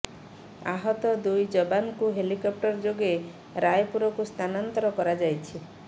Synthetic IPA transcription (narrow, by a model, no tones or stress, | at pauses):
a̰ɦɔt̪ɔd̪ujd͡ʒɔbankuɦelikɔp̚ʈɔɾd͡ʒoɡe | ɾajpuɾɔkust̪ʰanant̪ɔɾɔkɔɾad͡ʒajt͡ʃʰi